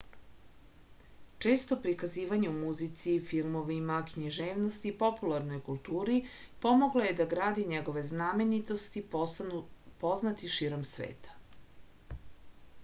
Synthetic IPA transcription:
t͡ʃe̞ːst̪o̞pɾikaziːʋaɲeumuzit̪sifilˠmo̞ʋimakɲiʒe̞ːʋnost̪ipo̞pulˠaɾno̞jkulˠt̪uːɾi | po̞mo̞ɡlˠoje̞d̪aɡɾaːd̪iɲeɡo̞ʋe̞znaːmenit̪o̞st̪i | po̞znat̪iʃiːɾo̞msʋḛːt̪ʰḁ

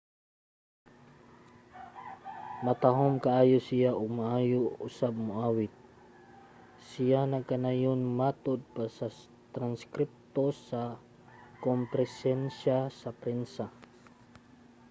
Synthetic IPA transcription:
mɐt̪aɦomkaʔaːjosɪjaʔoɡ̚maʔaːjoʊ̰sab̚mʊʔaːwɪt̪̚ | sɪjanaɡkanajonmaːt̪od̪̚pasa | t̪ɾanskɾɪp̚t̪osa | kompɾɛsɛnʃasɐpɾɛnsa

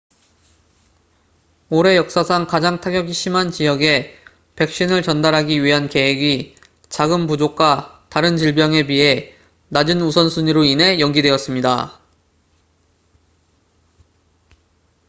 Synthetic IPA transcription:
oɾe̞jʌk̚s͈asʰaŋkad͡ʑaŋtʰaɡjʌɡiɕ͈ʰimant͡ɕijʌɡe̞ | pe̞k̚ɕ͈inɯɭt͡ɕʌndaɾɦaɡiɥiɦanke̞ɦeɡi | t͡ɕaɡɯmpud͡ʑok̚k͈wataɾɯnt͡ɕiɭbjʌŋe̞biɦe̞ | nad͡ʑinusʰʌnsʰuɲiɾoinɦe̞jʌŋɡidweʌs͈ɯmɲida

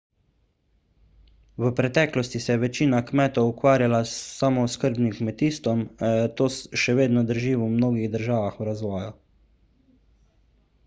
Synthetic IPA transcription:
ʋəpɾɛt̪ɛːklɔst̪isɛjɛʋɛt͡ʃiːnakmɛːt̪ɔwukʋaːɾjalaamɔskəɾbnimkmɛt̪iːst̪ɔmt̪oːsʃɛʋeːd̪nɔd̪əɾʒiːumnoːɡiɣd̪əɾʒaːʋaxuwɾazʋɔːju

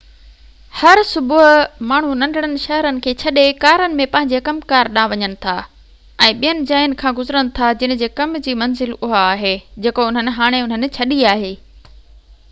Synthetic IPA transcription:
hɐɾsʊbʊɦʊmaːɳ̤unɐ̃nɖʱəɽ̃ənɪ̆ʃɐɦəɾənɪ̆kʰeːt͡ɕʰɐɗekaːɾənɪ̆mẽpɐ̃ɦɪ̃ɲd͡ʑekɐmkaːɾɗãːʋɐɲəɽ̃ɪ̆t̪ʰaː | ɛ̃ːɓijənɪ̆d͡ʑaːjnɪ̆kʰãːɡʊzɾəñɪ̆t̪ʰad͡ʑɪnɪ̆d͡ʑeːkɐmd͡ʑiːmɐnzɪlʊɦaaːɦeːd͡ʑeːkoʊn̤ənɪ̆ɦaːɽ̃eʊn̤ənɪ̆t͡ɕʰɐɗiaːɦeː

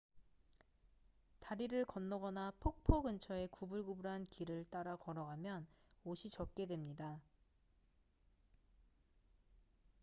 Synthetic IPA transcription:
taɾiɾɯɭkʌnːʌɡʌnapʰok̚pʰoɡɯnt͡ɕʰʌe̞kubuɭɡubuɾɦankʰiɾɯɭt͈aɾakʌɾʌɡamjʌnoɕʰit͡ɕʌk̚k͈e̞dwe̞mɲida

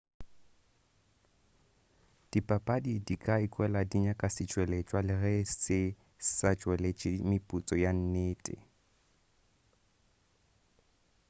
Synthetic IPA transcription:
d̥ipʼapʼadidikʼaikʼwɛladiɲakʼasɪt͡ʃʼwɛlet͡ʃʼwalɪrɛsɪ | sat͡ʃʼwɛlet͡ʃʼɪmɪpʼut͡sʼɔjan̩neːtʼɪ̰

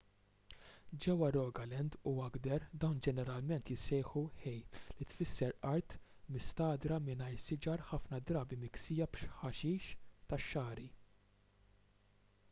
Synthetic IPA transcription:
d͡ʒɛwːɐɾɔːɡɐlɛnd̪uɐɡd̪ɛɾd̪ɐwnd͡ʒɛnɛɾɐlmɛnt̪jɪsɛjħuħɛjlit̪fɪsːɛɾɐɾt̪ | mɪst̪ɐːd̪ɾɐmɪnɐjɾsɪd͡ʒɐɾħɐfnɐd̪ɾɐːbimɪksɪːjɐbʃħɐʃiːʃt̪ɐʃːɐːɾi

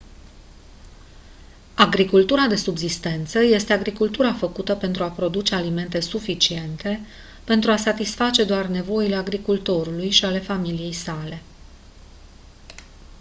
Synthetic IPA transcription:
aɡɾikult̪uɾad̪e̞subzist̪e̞nt̪səje̞st̪e̞aɡɾikult̪uɾafəkut̪əpe̞nt̪ɾuapɾo̞d̪ut͡ʃe̞alime̞nt̪e̞sufit͡ʃie̞nt̪e̞ | pe̞nt̪ɾuasat̪isfat͡ʃe̞d̪oarne̞vo̞ile̞aɡɾikult̪o̞ɾulujʃiale̞familije̞jsale̞

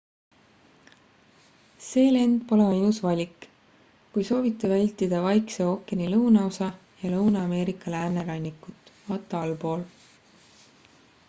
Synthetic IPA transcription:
se̞ːle̞nd̪̥̚po̞le̞mɑiusvɑlʲik | kujso̞ːvit̪ːˑevælʲt̪id̪̥ɑvɑjkseo̞kːˑenilɤwnɑosɑ | jɑlɤwnɑɑme̞ːɾikːˑɑlæːrne̞lɑnʲːikːˑut̪ːˑvɑt̪ːˑɑɑlpo̞ːl

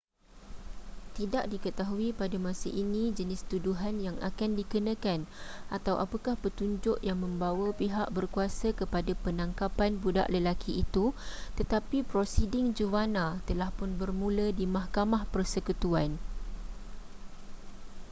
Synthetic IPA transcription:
t̪idaʔdikət̪aɦuipadamãsəʔinĩd͡ʒənɪst̪uduɦanjaŋʔa̰kandikənãkanʔat̪awʔapəkahpət̪uɲd͡ʒʊʔjaŋmə̃mbawəpiɦaʔbərkuasakəpadapənãŋkapanbuda̰ʔləlakʰiʔit̪ut̪ət̪apipɾosidɪŋd͡ʒuvanãt̪əlahpʊnbərmũlədimahkamahpərsəkut̪uan

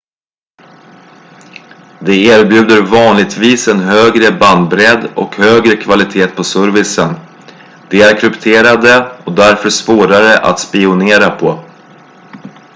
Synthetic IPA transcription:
d̪ɛeːɾbjʉ̟ːd̪əɾvɑːnlɪɡ̚t̪viːsɛnɦøːɡɾəband̪̚bɾɛd̪ɔ̰khøːɡɾəkʰvalɪt̪ʰeːt̪̚pʰɔsœɾvɪsən | d̪̥ɛæɾkʰɾɵpt̪ʰeːɾad̪əɔd̪æɾfœʂpoːɾaɾəʔa̰t̪spɪʊneːɾapʰɔ

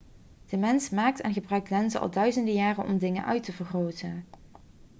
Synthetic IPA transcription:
d̥əmɛnsmaːk̚tɛnχəbrœɥktlɛnzəʔɑ̰lˠdœɥzəndəjaːrənʔɔ̰mdɪŋənʔœ̰ɥtəvərχrowtən

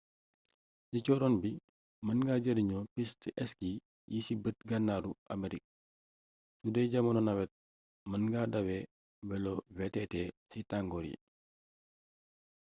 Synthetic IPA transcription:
sicɔːɾɔnbi | mɐnɡaːɟədiɲɔpistʔɛski | jisibət̚ɡɐnːaːɾuʔɐ̰meɾik̚ | sudɛjɟɐmɐnɔnɐwɛt̚ | mɐnɡadɐwɛ | bɛlɔvɛtɛtɛsitaŋɡɔɾjḭ

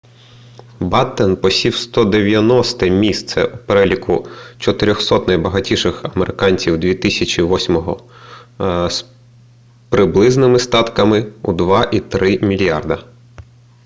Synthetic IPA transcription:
bɑt̪ːenpɔsʲiwst̪ɔd̪eʋʲjɐnɔst̪ɛmʲist̪sɛ̰upeɾɛlʲikʰʊt͡ʃɔt̪ɪɾʲɔxsɔt̪nɐjbɐɦɐtʲiʃɪxɐmeɾʔɪkɑnʲsʲiwd̪ʲʋʲit̪ɪsʲɐt͡ʃʲiʋɔsʲmɔɦɔ | s | pɾɪblˠɪznɪmɪst̪ɑt̪kɐmɪṵd̪ʋɑʔit̪ɾɪmʲilʲjɑrd̪ɐ

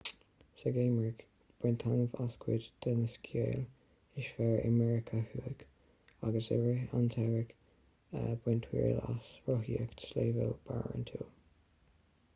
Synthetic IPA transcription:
səɡeːmɹik | b̥wɪnt̪ʰanəvaskʰwɪdd̪̥ɛnəskʰjeːl | ɪʃfɛɹə̰mɛɹɪkʰəhuːɪk | aɡəsɛɹəant̪ʰɛɹɪk | əbwɪntʰwḭːɹla̰sɹɔɦiəkʰsleːvəlb̥a̰ɹə̰nt̪ʰuː

